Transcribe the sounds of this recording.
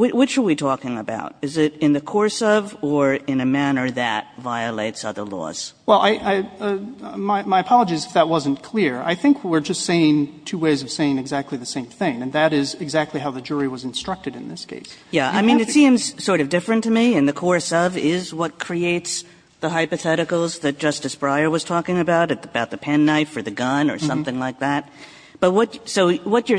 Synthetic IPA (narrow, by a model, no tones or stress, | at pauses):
wɪʔwɨt͡ʃə˞witʰɔkɪ̃ŋəba̰ʊɾ̚ɨzɪɾɨ̃nðɨkʰɔɹsʌvə˞ɨ̃nɨmænə˞ðɨ̰t̚vaɪɨlḛɪtsʌ̰ðə̰˞lɔ̰z̥wɛlˠaɪʔaɪ | maɪmaɪɨpʰɑlˠəd͡ʒiɨzɨfðət̚wʌzɨ̃n̩kʰl̥ɪɹa̰ɪθɪ̃ŋkʰwwɪɹd͡ʒʌstseɪɪ̃ŋtʰuweɪzʌv̥seɪɪ̃ŋɨɡzæk̚tˡliðɨsẽɪ̃mθɪ̃ŋɨ̃nðɨɾɪzɨɡzæk̚tˡliɦaʊðɨd͡ʒʊɹiwʌzɨ̃n̩stɹ̥ʌk̚tɨɾɨ̃nðɪskʰḛɪsjæa̰ɪmĩnɨtsĩmz̥sɔɹɾʌvdɪfɹɨ̃ntʰɨmiɨ̃nðɨkʰɔɹsʌvɪzwʌt̚kʰɹ̥ieɪts | ðəɦaɪpɨθɛɾɨkl̩ˠzðɨt̚d̥ʒ̥ʌstɨsb̥ɹaɪə˞wʌz̥tʰɔkɪ̃ŋɨbaʊɾɨtəb̥aʊt̪̚ðɨpʰɛ̃nːaɪfə˞ðɨɡʌ̃nə̰˞sʌ̃mθɪ̃ŋlaɪk̚ðæt̚ | b̥ʌt̚wʌt͡ʃsoʊwʌt͡ʃə˞